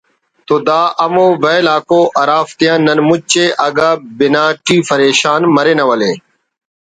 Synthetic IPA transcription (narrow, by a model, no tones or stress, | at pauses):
t̪oːd̪aːʔəmõːʋeːlaːkoːʔɐɾaːft̪ɪjãːnːənmʊt͡ʃeːʔəɡaːbɪnaːʈiːpəɾeːʃaːnməɾeːnɐʋəleː